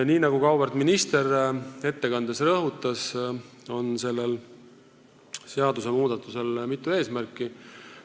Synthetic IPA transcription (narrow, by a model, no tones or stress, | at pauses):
niːnɑɡ̥ukɑwbɑrt̪minist̪e̞re̞t̪ːe̞kɑnd̪̥esrɤɦut̪ːˑɑs | o̞nse̞lːel | seɑd̪̥use̞muːd̪̥ɑt̪ːˑuse̞lmit̪ːˑue̞ːsmærkːˑi